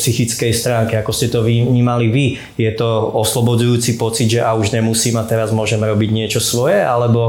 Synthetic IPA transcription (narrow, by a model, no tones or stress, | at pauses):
psixit͡skɛjst̪ɾaːŋkɛakɔscɛt̪ɔʋiɲiːmaliʋi | jɛt̪ɔɔslɔbɔd͡zujuːt͡sipɔt͡sid̪ʒɛʔauʒɲɛmusiːmat̪ɛɾazmʊɔʒɛmɾɔbiɟɲɪɛt͡ʃɔsʋɔjɛʔalɛbɔ